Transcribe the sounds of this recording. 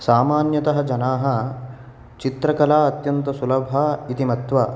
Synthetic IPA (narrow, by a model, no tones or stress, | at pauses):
saːmaːnjɐt̪ɐɦɐ̆d͡ʒɐnaːɦɐ̆ | t͡ʃit̪ɾɐkɐlaːɐt̪jɐnt̪ɐsulɐbʱaːit̪imɐt̪ʋaː